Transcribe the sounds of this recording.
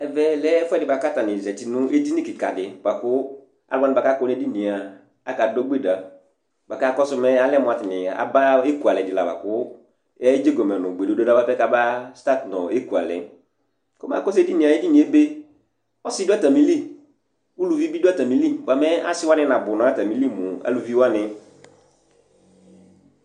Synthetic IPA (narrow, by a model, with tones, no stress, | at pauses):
ɛ˨vɛ˦lɛ˦fɛ˦˨dɪ˨ba˨ka˦ta˨nɪ˨zɛ˨tɪ˨nʊ̃˦e˦di˦ni˦kɪ˨ka̰˨dɪ˨ba˨kʊ˦ | a̰˨la˦nɪ̃˨a˨ka˦kɔ˨˦n˦e˦di˦nĩ˨a˨ | a˨ka˨dɔ˦ɡ͡be˦˨da˨ | ba˨ka˦kɔ˦sʊ˦mɛ˦a˦lɛ˦mʊ˨a˨tɪ˨nɪ˨a̰˨ba˦e˦ku˨a˨lɛ˨dɪ˨la̰˨ba̰˨kʊ˦ | ɛ˦d͡ʒe˦ɡɔ˨mɛ˨nɔ̃˨ɡ͡be˨o˦do˦da˦ba˦pɛ˦ka˦ba˦sta˦˨tnɔ˨e˦ku˨a̰˨lɛ̰˨ | kʊ˦ma̰˨kɔ˦s̬e˦di˦nĩ˨a˨e˦di˦nĩ˨˦e˦be˦ | ɔ˦sɪ˦do˦a˦˨ta˨mĩ˨˦li˦˨ | wu˦lu˨vi˦bi˦do˦a˦ta˨mĩ˦li˦˨ba˨mɛ˦a˦sɪ˦wa˦nɪ̃˦nã˨bʊ˨nɔ̃˨˦a˦ta˨mĩ˨˦li˦mʊ˨a̰˦lu˨vi˦wa˦nɪ̃˨